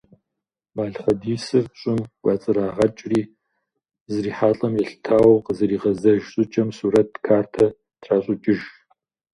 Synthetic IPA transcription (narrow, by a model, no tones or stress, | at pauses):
baːɮχɐdiːsɨrɕʼɪmɡʷɑːt͡sʼɨɾaːʁɐt͡ʃʼriː | zɨriːħaːɬʼɐmjɛɬtʰaːwqəzɨɾiːʁɐzɐʒɕʼʊt͡ʃʼɐmsuːɾɐtʰkʰaːrtʰɐ | tʰraːɕʼʊt͡ʃʼɪʒ